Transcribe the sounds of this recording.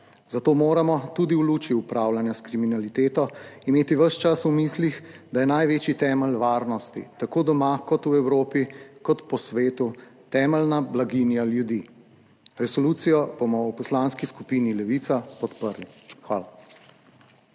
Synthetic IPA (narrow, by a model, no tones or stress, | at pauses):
zat̪oːmoːɾamɔt̪ud̪iwlut͡ʃiupɾaːwlanjaskɾiminalit̪eːt̪ɔimeːt̪iʋəʃt͡ʃasumislixd̪ajɛnajʋeːt͡ʃit̪ɛːməlʋaːɾnɔst̪ḭt̪akoːd̪ɔmakɔt̪uɛwɾoːpikɔt̪pɔsʋeːt̪ut̪ɛːməlnablaɡinjaljud̪i | ɾɛsɔlut̪sijɔbomɔwpɔslaːnskiskupinilɛʋiːt̪sapɔt̪pəɾlixʋaːla